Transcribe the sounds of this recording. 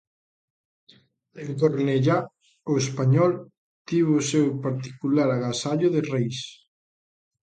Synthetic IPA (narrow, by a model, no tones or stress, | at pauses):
eŋd̪oɾneʎa | oespaɲɔl | t̪iβʊsewpaɾt̪i̥kulaɾaɣasaʎoðerejs